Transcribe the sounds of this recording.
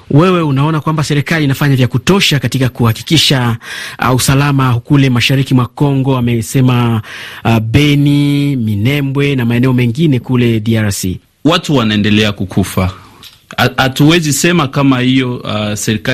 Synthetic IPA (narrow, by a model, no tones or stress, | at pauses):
wɛwɛunaɔnakwambasɛɾikaliːnafaɲavjakutɔʃakatikakuhaki̥kiʃa | usalamakulɛmaʃaɾikimwakɔŋɡɔamɛsɛma | ɓɛniminɛmbwɛnamaɛnɛɔmɛŋɡinɛkulɛdiaɾsḭ | watuwanaɛndɛlɛakukʰufa | atuwɛzisɛmakamahijɔasɛɾika